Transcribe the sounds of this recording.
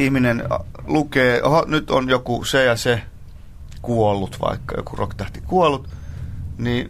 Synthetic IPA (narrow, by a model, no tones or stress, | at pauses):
ihminenlukeːohɑnyt̪o̰njokusejɑse | kuolːut̪ʋɑ̰ikːɑjo̰kurokt̪æht̪ikuolːˑut̪ | niː